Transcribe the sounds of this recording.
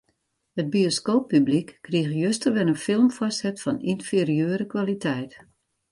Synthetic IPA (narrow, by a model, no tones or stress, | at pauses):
həd̚bioskoːpːyblikːriəxjøstərʋɛnənfɪlˠmfɔsɛtfɔninfɪrijøːɾəkʋalitʰɛjt